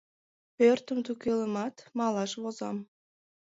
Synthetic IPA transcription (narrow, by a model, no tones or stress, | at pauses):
pørt̪əmt̪ukeləmɑt̪mɑlˠɑʃβozɑ̰m